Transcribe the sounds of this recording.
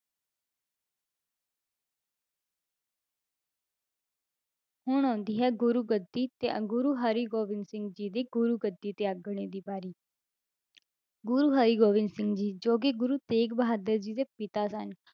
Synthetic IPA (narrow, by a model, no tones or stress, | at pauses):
hʊɳɔ̃ːnd̪iːɦɛːɡʊɾuːɡəd̪iːt̪ḛːɡʊɾuːɦəɾiːɡoːʋɪnsɪ̃ŋɡd͡ʒiːd̪eːɡʊɾuːɡəd̪ːiːt̪eːəɡəɳ̃eːd̪iːbaːɾiː | ɡʊɾuːɦəɾiːɡoːʋɪnsɪ̃ŋɡd͡ʒiːd͡ʒoːkeːɡʊɾuːt̪eːkbəɦaːd̪əɾd͡ʒiːd̪eːpɪt̪aːsən